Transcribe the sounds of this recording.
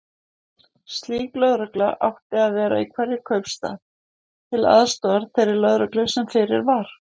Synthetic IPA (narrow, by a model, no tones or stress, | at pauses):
st̪liːklœðɾœklaʔa̰wht̪ɪaðvɛːɾa̰ikʰvɛɾjɪkʰœɥpst̪a̰ːð | t̪ʰɪla̰ðst̪ɔːðaɾ̥θejɾɪlœðɾœklʏsɛmfɪɾɪ̰ɾvaɾ̥